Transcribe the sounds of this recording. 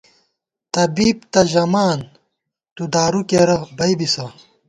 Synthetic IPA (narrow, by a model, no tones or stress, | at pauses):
t̪ɐbiːp̚t̪ɐʑɐmaːn | t̪ud̪aːɾukeɾɐbɐjbisɐ